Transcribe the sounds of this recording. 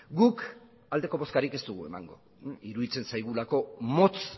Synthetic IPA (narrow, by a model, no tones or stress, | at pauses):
ɡuk | ald̪e̞ko̞βo̞skaɾike̞st̪uɣ̞ue̞̰ma̰ŋɡo̞ | iɾuðit͡se̞nsajɣ̞ulako̞mo̞t͡s